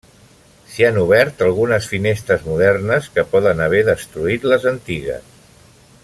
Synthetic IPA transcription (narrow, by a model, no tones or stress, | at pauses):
sianuβ̞ɛɾt̪əlˠɣunəsfinest̪ɾəzmuðɛrnəskəpɔðənəβ̞ɛðəst̪ɾuit̪ləzənt̪iɣə̰s